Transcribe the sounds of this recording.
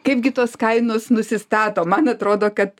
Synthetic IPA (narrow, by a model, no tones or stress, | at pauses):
kɐɪp̚ɡʲɪt̪oːskɐɪnoːsnʊsʲɪst̪ɑːt̪oːmɐnɐt̪ɾoːd̪oːkɐt̪